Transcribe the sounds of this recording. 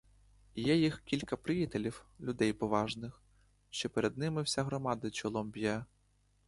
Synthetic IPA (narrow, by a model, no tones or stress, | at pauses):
jɛjixkʲilʲkɐpɾɪjit̪elʲiwlʲʊd̪ɛjpɔʋɑʒnɪx | ʃt͡ʃɔpeɾed̪̚nɪmɪwsʲaɦɾɔmɑd̪ɐt͡ʃɔlˠɔmbʲjɛ